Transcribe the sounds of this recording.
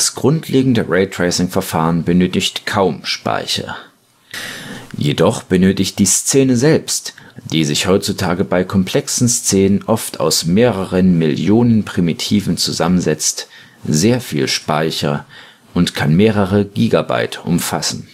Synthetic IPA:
d̥asɡ̥ʁʊntʰlʔeːɡŋ̩dəʁɛɪtʁ̥ɛɪsɪŋfɛɐfaːʁənbənøːtɪçtkʰaʊmʃpa̰ɪçɐ̰ | jedɔχb̥ənøːtɪçt̚d̥iːst͡seːnəzɛlpstd̥iːzɪçhɔʏtt͡sutʰaːɡəbaɪkʰɔmpl̥ɛksn̩st͡seːnənʔɔftʰa̰ʊsmeːʁəʁənmɪljoːnənpʁ̥imitʰiːvn̩t͡suzamənzɛt͡st | z̥eːɐfḭːlʃpaɪçɐ | ʔʊntkʰanmeːʁəʁəɡiːɡaba̰ɪtʔʊ̰mfasn̩

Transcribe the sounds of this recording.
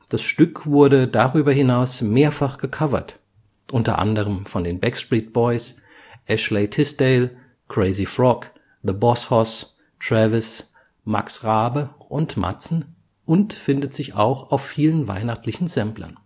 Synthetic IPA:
d̥asʃtʏkv̥ʊɐdədaʁyːbɐhɪnaʊsmeːɐfaχɡ̥əkʰavɐ̰t | ʔʊntɐ̰ʔa̰ndəʁəmfɔndeːnbɛkstʁiːt̚b̥ɔʏs | ʔɛʃleɪtʰɪsd̥eɪl | kʁ̥eɪzifʁɔk | ðəbɔshɔs | tʁ̥ɛvɪs | ma̰ksʁaːbəʔʊntmʔa̰t͡sn̩ | ʔʊntfɪndətz̥ɪça̰ʊxaʊfːiːlənva̰ɪnaχtlɪçn̩zɛmplɐ̰n

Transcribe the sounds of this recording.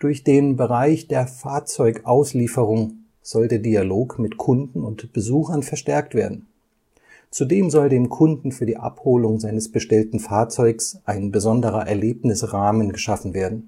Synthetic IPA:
d̥ʊɐçd̥eːnbəʁ̞aɪçd̥eːɐfaːɐt͡sɔʏkʔaʊsliːfəʁ̞ʊŋ | z̥ɔldeːɐdialoːkmɪtkʰʊndn̩ʊntb̥əzuːxɐnfɛɐʃtɛɐk̚tv̥eːɐdn̩ | t͡sudeːmzɔldeːmkʰʊndn̩fyːɐdiːʔa̰phoːlʊŋzaɪnəsb̥əʃtɛltn̩faːɐt͡sɔʏksʔaɪnbəzɔndəʁɐʔɛɐleːpnɪsʁaːmənɡəʃafn̩veːɐdn̩

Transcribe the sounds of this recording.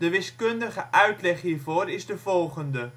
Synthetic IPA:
dəʋɪskɵndəχəʔœɥtlɛχɦiːrvoːɾɪzdəvɔlˠχəndə

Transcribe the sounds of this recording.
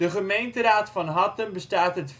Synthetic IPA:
əχəmejntəɾaːtfɑnɦɑtənbəstaːtɦətf

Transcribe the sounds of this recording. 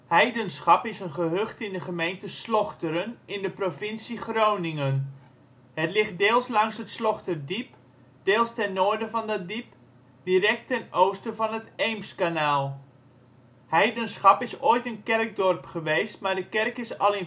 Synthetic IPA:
hɛjdənsχɑpɪsənχəɦøχtɪndəχəmejntəslɔχtəɾənɪndəprofɪnsiχrownɪŋən | hətlɪχt̚deːlˠslɑŋsətslɔχtərdip | d̥eːlˠstɛnːoːɹdəvɑndədip | d̥iɾɛk̚tɛnowstəvɑnətejmskanaːlˠ | hɛjdənsχɑpɪsoːjtənkɛrk̚dɔrpχəʋejstmaːɹdəkɛrkɪsɑlˠɪn

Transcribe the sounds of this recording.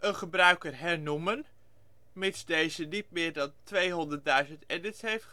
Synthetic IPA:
ʔənχəbrœɥkərɦɛɹnumən | mɪtsdejzədit̚mɪːɹdɑntʋejɦɔndəɹt̚dœɥzəntɛdɪtsɦejft

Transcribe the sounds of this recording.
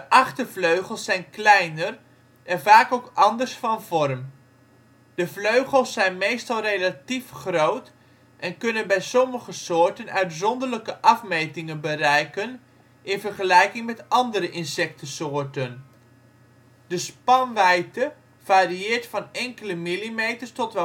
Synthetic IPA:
dəʔɑχtəvløɥχəl̩ˠsɛjnklɛjnər | ʔɛnvaːkowkɑndəɹsfɑnvɔrm | d̥əvløɥχəlˠsːɛjnmejstɑlˠrejlatifχrowt | ʔɛnkɵnənbɛjsɔməχəsʊːɹtənœɥtzɔndələkəʔɑfmejtɪŋənbərɛjkən | ʔɪnvərχəlɛjkɪŋmɛtɑndəɾəʔɪnsɛk̚təsʊːɹtən | d̥əspɑnʋɛjtə | v̥aːriɪːɹtfɑnɛŋkələmilimejtərstɔtʋ

